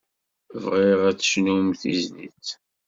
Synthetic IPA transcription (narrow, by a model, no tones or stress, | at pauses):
vʁɪʁæt͡sːʃnumθḭznḭt